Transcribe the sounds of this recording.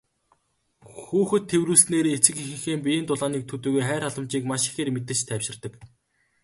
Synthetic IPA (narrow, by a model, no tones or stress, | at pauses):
xuːxɘ̆t̪ʰːewruːsneːɾeet͡sɘ̆kixɘ̆ŋxeːmpʲijeːnt̪ʊɮaːniːk̚t̪ʰɵt̪uːɣujχæːɾaɮə̆mt͡ɕiːkmaʃi̥xeːrmet̪̬ɘ̆t͡ɕt̪ʰæːwʃɪ̆rt̪ə̆k